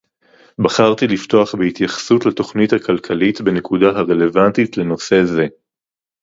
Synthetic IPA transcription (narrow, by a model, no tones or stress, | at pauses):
baχaʁt̪ilifto̞aχbehitjaχsutlato̞χnithakʰalkʰalitbe̞ne̞kudaɦaʁe̞le̞vantitle̞no̞se̞ze̞